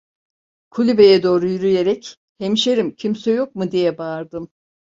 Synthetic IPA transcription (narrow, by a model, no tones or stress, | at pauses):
kʰulʲybe̞jɛd̪o̞ːɾujyɾyje̞ɾɛc | hemiʃeɾimcʰimsɛjo̞k̚mud̪ijɛbaːɾd̪ɯm